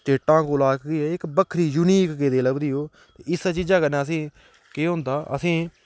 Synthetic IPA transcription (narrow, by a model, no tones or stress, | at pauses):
sʈeːʈãːkoːlaːkɡiːɛːɪkbəkʰːɾiːjuːniːkɡeːd̪eːləbd̪iːɦoː | t̪eːɪsaːt͡ʃiːd͡ʒaːkənɛːəsĩː | keːɦʊ̃nd̪aːʔə̰sĩː